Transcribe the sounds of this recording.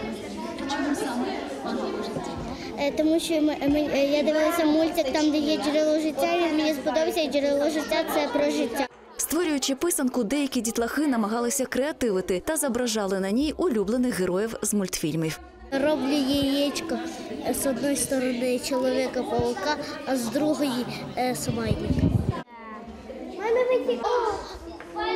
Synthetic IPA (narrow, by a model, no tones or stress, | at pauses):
t͡ʃmʊsam | t̪ɔmuʃɔmɪjad̪ɪʋɪlˠɐsʲɐmulʲtʲikt̪ɑmd̪ɛjɛd͡ʒɾʲɪlˠɔʒɪtʲːaiʋʲid̪mʲinʲispɔd̪ɔbʲɐsʲɐd͡ʒɾɪlˠɔʒɪtʲːat̪sɛpɾɔʒɪtʲːa | st̪ʋɔɾʲʊjʊt͡ʃɪpɪsɐnkʊd̪ɛjɐkʲidʲit̪lˠɐxɪnɐmɐɦɑlˠɪsʲɐkɾeɐt̪ɪʋɪt̪ɪt̪ɐzɐbɾɐʒɑlˠɪnɐnʲijʊlʲublˠenɪxɦeɾɔjiwzmʊlʲt̪fʲilʲmiw | ɾɔblʲʊjɛjɛt͡ʃkɔzɔd̪nɔjst̪ɔɾɔnɪt͡ʃɔlˠɔʋʲikɐpɔlˠʊkɑːzd̪ɾuɦɔjisʊmɑjʲnʲɪkɪ | ɛnɐʋɪtʲ